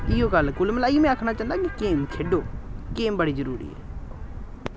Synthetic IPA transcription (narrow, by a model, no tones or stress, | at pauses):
ɪjoːkəlkʊlməlaːiːmɛ̃ːakʰɽ̃at͡ʃaːnd̪akikeːmkʰeːɖoːkeːmbəɽiːzəɾṵːɾḭːɛ̰ː